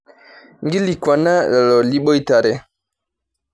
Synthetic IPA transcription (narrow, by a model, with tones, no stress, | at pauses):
ŋ˦ɡi˦li˨kwa˨na˦a˨lɔ˨li˦ɓo˦i˦ta˨ɾɛ˦